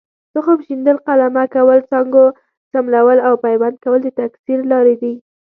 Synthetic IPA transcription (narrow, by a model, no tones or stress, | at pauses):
t̪əxopʃind̪əlqalamakawəlt͡sɑŋɡo | t͡samlawəlawpajwand̪̚kawəld̪ət̪aksiɾlɑɾed̪i